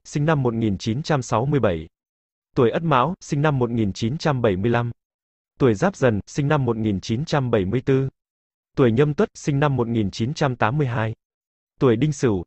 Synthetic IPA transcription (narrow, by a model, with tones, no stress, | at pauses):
sï˧ŋ̟na˧mːo˨˩t̚ŋi˨˩nt͡ɕi˨˦nt͡ɕa˧msa˨˦wmɨ˧əjɓə˧˩j | t̪u˧˩əjʔə˦˥t̚ma̰ː˧˥wsï˧ŋ̟na˧mːo˨˩t̚ŋi˨˩nt͡ɕi˨˦t͡ɕa˧mɓə˧˩jmɨ˧əjla˧m | t̪u˧˩əjzaː˦˥p̚zə˨˩nsï˧ŋ̟na˧mːo˨˩t̚ŋi˨˩nt͡ɕi˨˦nt͡ɕa˧mɓə˧˩jmɨ˧əjt̪ɨ˧ | t̪u˧˩əjɲə˧mt̪wə˦˥t̚sï˧ŋ̟na˧mːo˨˩t̚ŋi˨˩nt͡ɕi˨˦nt͡ɕa˧mt̪aː˨˦mːɨ˧əjɦaː˧j | t̪u˧˩əjɗï˧ŋ̟sɨ˧˩